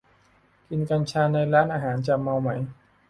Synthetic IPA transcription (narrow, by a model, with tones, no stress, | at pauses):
ki˧nka˧nt͡ɕʰaː˧na˧jɾaː˦˥nʔaː˧˩ɦaː˩˦nt͡ɕa˨˩ma˧wma˩˦j